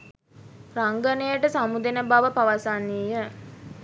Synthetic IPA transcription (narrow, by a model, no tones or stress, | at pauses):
raŋɡənəjəʈəsamud̪enəbaʋəpaʋasaniːjə